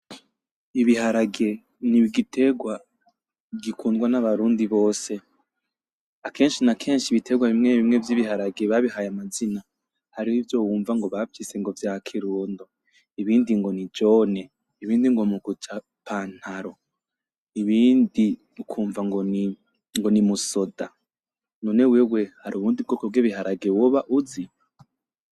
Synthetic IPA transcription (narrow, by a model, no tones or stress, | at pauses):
iβihaɾaɡe̞ | niβiɡitʰe̞ɡwa | ɡikʰuːndɡwanaβaɾuːndiβo̞ːse̞ | akʰe̞ːnʃinakʰe̞ːnʃiβitʰe̞ɡwaβimŋeβimŋe̞vjiβihaɾaɡe̞βaβihajamazina | haɾihivjo̞wuːɱvaŋɡo̞βavise̞ŋɡo̞vjakʰiɾuːndo | iβiːndiŋɡo̞nid͡ʒone̞ | iβiːndiŋɡomuɡut͡ʃa | pʰaːn̥haɾo | iβiːndi | ukʰuːɱvaŋɡ | ŋɡo̞nimusoda | none̞wewe̞haɾuβuːndibɡoːkob̚ɡiβiɦaɾaɡe̞woβaʔuzi